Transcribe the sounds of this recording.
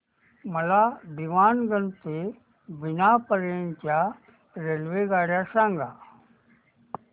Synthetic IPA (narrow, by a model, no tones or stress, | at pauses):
mɐlabiʋaːnɡə̃nt̪e | bɪnapəɾeːnt͡ʃa | ɾelʋeɡaːɽjasãːŋɡaː